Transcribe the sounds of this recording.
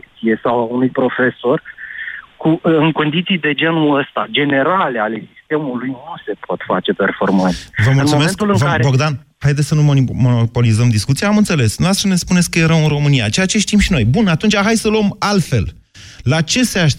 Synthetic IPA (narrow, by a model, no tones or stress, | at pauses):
kt̪sije̞sawaunujpɾo̞fe̞so̞r | kuɨŋko̞nd̪it̪sijd̪e̞d͡ʒe̞nuəst̪ad͡ʒe̞ne̞ɾale̞ale̞sist̪e̞mulujnuse̞pʰot̪fat͡ʃe̞pe̞rfo̞̰rmant̪svəmuɨlnmsuomeest̪ulɨŋvkaeboɡd̪anhajd̪et̪sʲsənumonimonopo̞lizəmd̪iskut̪siaamɨnt̪se̞le̞snoast̪ɾəne̞spunesʲkəjeɾəwɨnro̞mɨnija̰t͡ʃe̞jat͡ʃe̞ʃt̪imʃino̞jbunat̪unt͡ʃʲaɦajsəluəmalt̪fe̞̰l | lat͡ʃe̞seaʃ